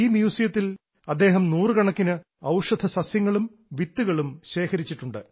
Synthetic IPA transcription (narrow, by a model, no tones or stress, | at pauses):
iːmjuːsijɐt̪ːil | ɐd̪ːe̞ːɦɐmnuːrɨkɐɳɐkːinɨ | ɐwʂɐd̪ʱʰɐsɐsjɐŋːɐɭum | ʋit̪ːuɣɐɭumɕe̞ːkʰɐɾit͡ɕːiʈːuɳɖɨ